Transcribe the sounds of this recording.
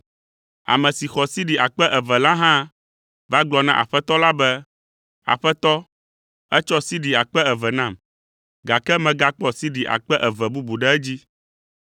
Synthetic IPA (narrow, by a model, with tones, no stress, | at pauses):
a̰˨mɛ̃˨si˨xɔ˨si˦ɖi˨ʔa˨k͡pɛ˦ʔɛ˨vɛ˨lã˦ɦã˦ | va˦ɡ͡blɔ˨nã̰˦ʔa̰˨ɸɛ˦t̪ɔ˦la˦bɛ˦ | a̰˨ɸɛ˦t̪ɔ˦ | ɛ˦t͡ʃɔ˦si˦ɖi˨a˨k͡pɛ˦ɛ˨vɛ˨nã˦˨m | ɡa˨kɛ˦mɛ̃˨ɡa˦k͡pɔ˦si˦ɖi˨ʔa̰˨k͡pɛ˦ʔɛ˨vɛ˨bu˦bu˨ɖɛ˦ɛ˦d͡ʑi˦